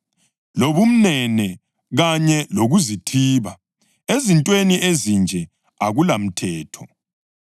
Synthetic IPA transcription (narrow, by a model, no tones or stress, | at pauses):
loβum̩nɛnɛ | ɣaɲɛloɣuzitʰiːβa | ezintʼweniʔezind͡ʒʱɛ | aɣulam̩tʰɛːtʰɔ